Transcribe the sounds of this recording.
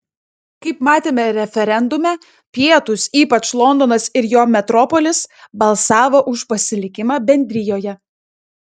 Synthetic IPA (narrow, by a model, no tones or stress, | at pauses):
kɐɪpmɑːt̪ʲeːmʲɛɾʲɛfʲɛɾʲɛnd̪ʊmʲɛ | pʲiɛt̪ʊsiːpɐt͡ʃlˠɔnd̪ɔnɐsɪɾjoːmʲɛt̪ɾɔpɔlʲɪsbɐlˠsɑːʋoːʔʊʃpɐsʲɪlʲɪkʲɪmɑːbʲɛnʲd̪ʲɾʲɪjoːjɛ